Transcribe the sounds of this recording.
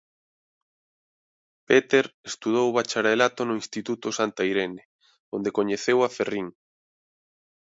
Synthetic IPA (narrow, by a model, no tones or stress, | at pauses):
pet̪eɾest̪uð̞owβat͡ʃaɾelat̪onʊinst̪it̪ut̪ʊsant̪aiɾenɪ | ond̪ekoɲeθewaferiŋ